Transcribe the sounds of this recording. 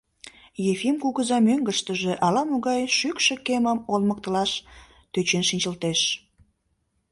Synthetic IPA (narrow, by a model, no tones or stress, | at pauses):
jefimkuɣəzɑmøŋɡəʃt̪əʒeʔɑlɑmuɣɑjʃykʃekeməmolmək̚t̪əlɑʃ | t̪øt͡ɕenʃinʲt͡ɕəlt̪eʃ